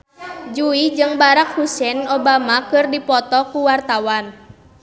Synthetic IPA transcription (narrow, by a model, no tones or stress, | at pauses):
d͡ʒuid͡ʒɨŋbaɾak̚husɛnobamakɨrdipɔt̪ɔkuwart̪awan